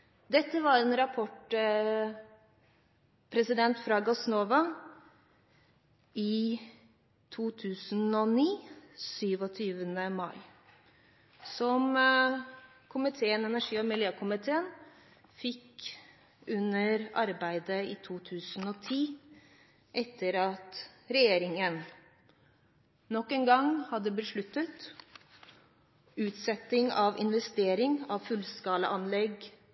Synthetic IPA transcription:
d̪ɛt̪ːəʋɑɾɛnɾɑpʰɔʈ | pʰɾɛsɪd̪ɛnt̪fɾɑɡɔsnoːʋɑ | ɪ | t̪ʰuːt̪ʰʉːsnɔniːsyːʋɔt̪ʰyːʋənəmɑɪ | sɔm | kʰʊmɪt̪ʰeːənɛnæʂiːɔmɪljøːkʰʊmɪt̪ʰeːən | fɪk | ʉnːəɾɑɾbæɪd̪əɪt̪ʰuːt̪ʰʉːsənɔt̪ʰiː | ʔɛt̪ʰːəɾɑt̪ɾɛjeːɾɪŋən | nɔkːɛːnɡɑŋhɑd̪ːəbəʂɭʉt̪ːət̪ | ʉːt̪sɛt̪ːɪŋɑʋɪ̰nʋɛst̪eːɾɪŋɑʋfʉlskɑːlə̰ʔɑnlɛɡ

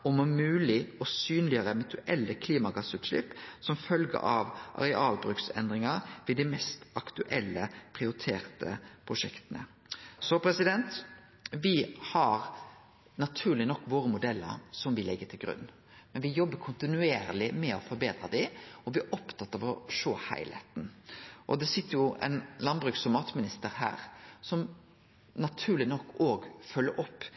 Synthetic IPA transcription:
ɔmɔmʉːlɪɔsyːnlɪəɾəmʉt̪ʰʉʔɛlːəkʰliːmɑɡɑsʉːt̪ʂlɪ̰pːsɔmfœlɡə̰ʔɑʋʔɑ̰ɾɛʔɑːlbɾʉksɛ̰nd̪ɾɪŋɑɾʋɪd̪ɪmɛst̪ɑkt̪ʉʔɛlːəpʰɾɪʊɾɪt̪ʰeːɾt̪ʰə̰pʰɾʊʂɛkt̪ənə̰ | sɔpʰɾɛsɪd̪ɛnt̪ | ʋɪhɑɾ | nɑt̪ʰʉːlɪnɔkːʋoːɾəmʊd̪ɛlːə̰ɾsɔmʋɪlɛɡːət̪ʰɪlɡɾʉ̰nː | mɛnʋɪjɔbːəkʰʊnt̪ɪnʉeːɾlɪmɛɔfɔɾbeːd̪ɾɑd̪ɪɔʋɪʔɔpt̪ʰɑt̪ːɑʋɔʂoːhæ̰ɪlhḛt̪nʔɔd̪ɛsɪt̪ːəɾjʊʔɛ̰nlɑnbɾʉksɔmɑːt̪mɪnɪst̪əɾhæ̰ːɾsɔm | nɑt̪ʰʉːɾlɪnɔkːoːɡfœlːəɾʔɔpː

